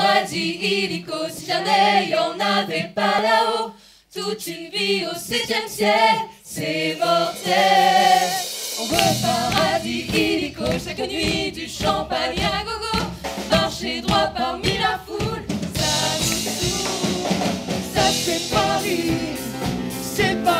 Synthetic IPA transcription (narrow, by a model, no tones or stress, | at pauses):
ad̪ielikosizanɛjɔ̃navɛpalao | t̪ut̪ynviosɛt̪jɛmsjɛkl | sɛmɔʁt̪ɛl | ɛpaʁad̪ielikoʃɛt̪nɥid̪yʃɑ̃paɲãɡoɡomaʁʃed̪ʁwapaʁmilafulsaʒut̪u | sasɛpaʁi | sɛp